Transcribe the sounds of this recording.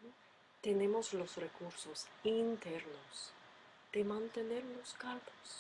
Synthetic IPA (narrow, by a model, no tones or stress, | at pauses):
t̪ene̞mo̞slosrekuɾsosint̪eɾnos | d̪̥emãnt̪ene̞ɾlo̞skaɾbos